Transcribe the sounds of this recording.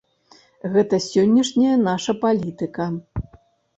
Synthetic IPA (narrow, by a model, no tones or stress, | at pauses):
ɣɛt̪ɐsʲɔnʲːɐʂnʲɐjɐnaʂɐpalʲit̪ɨkɐ